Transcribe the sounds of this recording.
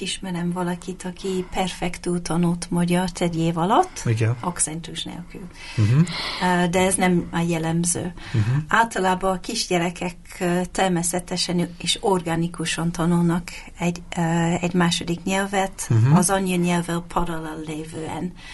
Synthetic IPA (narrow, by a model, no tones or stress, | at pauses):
iʃmɛɾɛmvɒlɒkit̪ɒkʰipɛrfɛkt̪ult̪ɒnult̪mɒɟɒrt̪ɛɟeːvɒlɒt̪ːiɡɛnoktsɛnt̪uʃnḛːlkyl | d̪ɛɛznɛmjɛlɛmzø̰ː | aːlt̪ɒlaːbɒːkiʒɟɛɾɛkʰɛkː | t̪ɛrmɛsɛt̪ɛʃɛneːʃorɡaːnikuʃɒnt̪ɒnulnɒk | ɛɟɛɟmaːʃo̞d̪ikɲɛlvɛt̪ɒzɒɲːoɲɛlvɛlpʰɒd̪ɒlɒlleːvøːɛ̰n